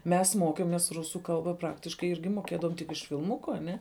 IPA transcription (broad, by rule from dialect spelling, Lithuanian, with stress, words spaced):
ˈmʲɛs ˈmoːkʲeːmʲeːs ˈrʊsuː ˈkɐlˠbɐ ˈprɑːktʲɪʃkɐɪ ˈɪrʲɡʲɪ moːˈkʲeːdɐʋoːm tʲɪk ɪʃ fʲɪlˠˈmʊkʊ ɐˈnʲɛ